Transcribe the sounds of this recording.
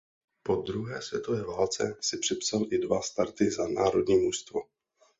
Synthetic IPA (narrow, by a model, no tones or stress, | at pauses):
po̞d̪ɾuɦɛːsvjɛt̪o̞vɛːvaːlt͡sɛ̰sɪpr̝̥ɪpsalʔɪdvast̪aɾt̪ɪzanaːɾo̞dɲiːmuʃst̪vo